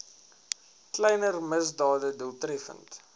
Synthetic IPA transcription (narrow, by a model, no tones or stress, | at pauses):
klɛjnərməzdɑːdədulˠtrɛfə̰nt